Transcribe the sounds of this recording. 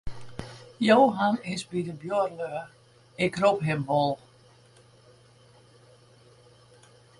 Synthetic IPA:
joːɦanɪsbidəbjorløə | ɪkropɦɪmʋɔlˠ

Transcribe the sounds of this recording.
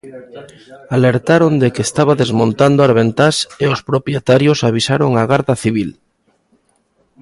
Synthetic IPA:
aleɾt̪aɾond̪ekest̪aβaðezmõnt̪and̪oaɾβent̪aseospɾopjet̪aɾjosaβ̞isaɾoŋaɣaɾðaθiβ̞il

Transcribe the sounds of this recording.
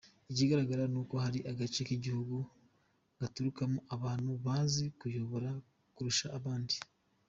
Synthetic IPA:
iɟiːɡaɾaɡaɾanuko̞haɾiʔaɡat͡ʃekiɟihuɡu | ɡ̥atuɾukamuʔaβaːn̥huβaːnzikujo̞βo̞ɾa | kuɾuʃaʔːβaːndi

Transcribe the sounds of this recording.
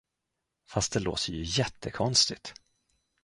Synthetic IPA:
fast̪̚d̪ɛlo̰ːt̪ʰəjɵjɛt̪ʰːəkʰɔnst̪ɪt̪

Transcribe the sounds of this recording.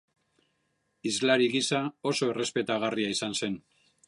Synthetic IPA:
izlaɾiɣisao̞so̞e̞re̞spe̞t̪aɣ̞ariaisanse̞n

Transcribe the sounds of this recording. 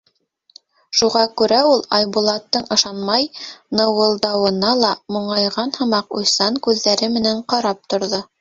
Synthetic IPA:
ʃuʁɑkʉɾæulˠɑjbulˠɑt̪ːɤɴɤ̆ʃɑnmɑjnɤ̆wɤ̆lˠd̪ɑwɤ̆nɑlˠɑmŏɴɑjʁɑnhɤ̆mɑqṵjsɑŋkʉðːæɾɘmɘ̆næɴqɑɾɑp̚t̪ŏɾðo

